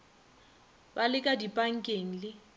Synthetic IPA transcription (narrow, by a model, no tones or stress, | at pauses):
balɪkʼadipʼaŋ̩kʼeŋ̩lɪ